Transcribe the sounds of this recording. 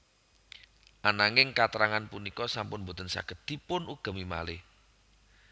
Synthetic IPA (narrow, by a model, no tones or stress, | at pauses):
ʔanaŋɪŋkat̪əɾaŋanpunikɔsampʊnbo̤t̪ənsa̰ɡ̥ə̤d̪̥ipʊnʔuɡ̥ə̤mima̰lɪ